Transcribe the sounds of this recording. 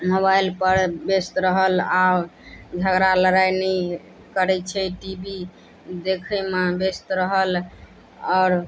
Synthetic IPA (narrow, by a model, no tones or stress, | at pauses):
mobajlpəɾbest̪ɾəɦəla | d͡ʒʱəɡɾaləɾajni | kəɾɛt͡ʃʰɛʈibi | d̪ekʰəmebest̪ɾəɦəl | ɔːɾ